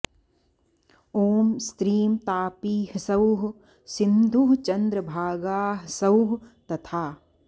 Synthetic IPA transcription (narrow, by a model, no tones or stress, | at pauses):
oːmst̪ɾiːmt̪aːpiːhsɐwɦ | sɪnd̪ʱuɦt͡ʃɐnd̪ɾəbʱaːɡaːɦsɐwɦt̪ɐt̪ʰaː